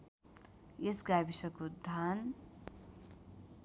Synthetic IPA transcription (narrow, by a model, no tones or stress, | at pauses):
esɡabisʌkod̪ʱan